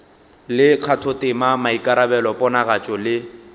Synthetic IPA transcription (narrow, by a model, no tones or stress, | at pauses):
lɪq͡χʰatʰɔtʼɪmamaikʼaɾabɛlɔpʼɔnaɣat͡ʃʼɔlɪ